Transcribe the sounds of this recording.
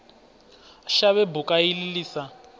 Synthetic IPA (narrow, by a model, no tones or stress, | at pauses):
ʃaβɛbukʼaililiːsa